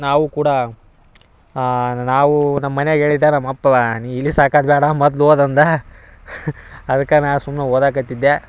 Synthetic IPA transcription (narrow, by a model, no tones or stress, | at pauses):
naːʋukuːɽɐ | naːʋunɐmːɐneɡe̞ːɭid̪ːenɐmːɐpːɐniilːisaːkaːd̪bɛːɽɐmɐd̪loːd̪ɐnd̪ɐ | ɐd̪ɐkːɐnasumneoːd̪aːkɐt̪ːid̪ːe